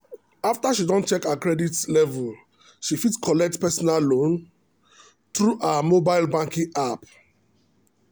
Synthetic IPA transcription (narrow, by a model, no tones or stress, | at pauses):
aftaʃidɔ̃nt͡ʃɛkakɹɛditlɛvul | ʃifitskʰɔlɛk̚tpɛsɔnallõn | t̪ɹuʔamobaɪlbãŋkĩʔap̚